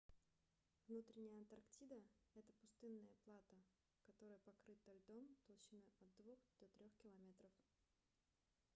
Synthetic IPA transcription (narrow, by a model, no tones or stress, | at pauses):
vnut̪ɾʲɪnʲɪjəɐnt̪ɐrktʲid̪əɛt̪əpʊst̪ɨnːəjəplˠat̪ə | kɐt̪o̞ɾəjəpɐkɾɨt̪ːolʲd̪omt̪ɐlˠɕinɨɐt̪̚d̪vuxd̪̥ot̪ɾʲoxkʲɪlˠɐmʲet̪ɾəf